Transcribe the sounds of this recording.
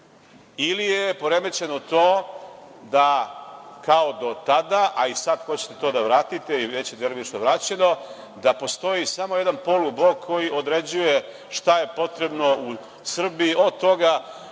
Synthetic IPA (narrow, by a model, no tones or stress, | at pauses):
ilijepo̞ɾe̞me̞t͡ɕe̞not̪oː | d̪a | kao̞d̪o̞t̪ad̪aʔaisad̪xo̞t͡ɕe̥t̪e̞̥t̪o̞d̪aʋɾaːt̪it̪e̞iʋet͡ɕed̪eɾoʋit͡ʃt̪oʋɾat͡ɕe̞no̞ | d̪apo̞st̪o̞jisamoje̞d̪anpo̞lˠublo̞kːo̞jiʔo̞d̪ɾe̞d͡ʑuje̞ | ʃt̪aje̞po̞t̪ɾe̞bno̞u | sr̩biːʔo̞d̪̚t̪o̞ɡa